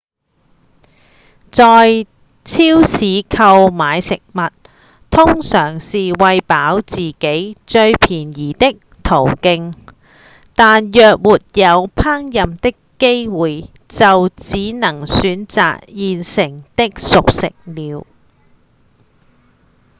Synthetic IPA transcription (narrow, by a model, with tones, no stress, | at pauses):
t͡sɔː˨j | t͡sʰiː˥wsiː˨˧kʰɐ˧wmaː˨˧jsɪ˨k̚mɐ˨t̪̚ | t̪ʰʊ˥ŋsœː˨˩ŋsiː˨wɐ˨jpaː˨˥wt͡siː˨ke˨˥jt͡ʃɵ˧ɥpʰiː˨˩njiː˨˩t̪ɪ˥k̚ | t̪ʰo˨˩wkɪ˧ŋ | t̪aː˨njœː˨k̚muː˨t̚jɐ˨˧wpʰaː˥ŋjɐ˨mt̪ɪ˥kːe˥jwuː˨j | t͡sɐ˨wt͡siː˨˥nɐ˨˩ŋsyː˨˥nt͡sa̰ː˨k̚jiː˨nsɪ˨˩ŋt̪ɪ˥k̚sʊ˨k̚sɪ˨k̚liː˨˧w